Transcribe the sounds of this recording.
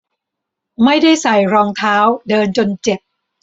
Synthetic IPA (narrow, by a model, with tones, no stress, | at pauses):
ma˥˩jda˥˩jsa˨˩jɾɔː˧ŋt̪ʰaː˦˥wdɤː˧nt͡ɕo˧nt͡ɕe˨˩p̚